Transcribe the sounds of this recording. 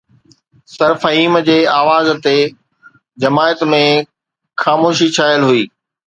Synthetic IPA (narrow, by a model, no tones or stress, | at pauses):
sɐɾfɐɦiːmd͡ʑeːaːʋaːzt̪e | d͡ʑɐmaːət̪mẽ | xaːmoːʃit͡ɕʰaːjəlɦʊiː